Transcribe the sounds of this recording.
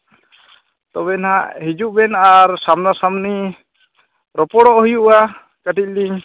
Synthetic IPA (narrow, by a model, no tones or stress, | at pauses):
t̪ɔbɛnɦaʔhid͡ʒuʔbɛnaɾsamnasamni | ɾɔpɔɽɔʔɦujuʔa | kəʈic̚liɲ